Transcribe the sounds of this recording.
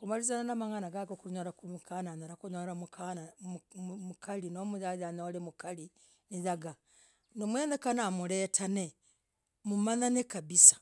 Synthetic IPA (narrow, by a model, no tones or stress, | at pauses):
kumaɾizananamaŋanaɡaɡokuɲoɾakumukananoɾakuɲoɾamukana | mukalinomujajanolemukali | nijaɡa | nomweːnekanamuleːtʰane | mumananekabisḁ